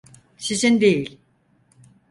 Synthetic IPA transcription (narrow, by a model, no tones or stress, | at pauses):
ʃiʃind̪ejilʲ